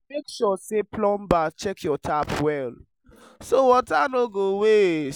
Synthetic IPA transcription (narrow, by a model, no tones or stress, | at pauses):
mekʃɔseplɔ̃mbat͡ʃɛkʰjɔtʰapwɛl | sowɔtanoɡowe